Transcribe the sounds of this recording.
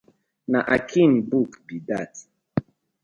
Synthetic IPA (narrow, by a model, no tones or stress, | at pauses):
naʔakʰinbukbidat